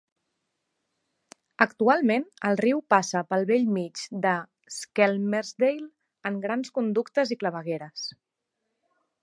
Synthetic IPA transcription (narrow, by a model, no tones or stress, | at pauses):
əkt̪ualˠmenəlˠriwpasəpəlˠβeʎmit͡ʃd̪ə | skɛlmeɾzd̪ejl | əŋɡɾanskund̪ukt̪əzikləβəɣeɾəs